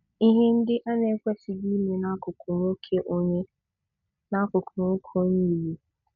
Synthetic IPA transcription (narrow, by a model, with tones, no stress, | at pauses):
i˦ɦe˦n̩˦dɪ˦ʔa˦ne˨˦kʷe˦sɪ˨ɡi˦me˨na˦kʊ˨kʊ˨ɾo˦kʰe˦ʔo˦ɲe˦ | na˦kʊ˨kʰʊ˨ɾo˦kʰo˦ɲi˦˨˦je˨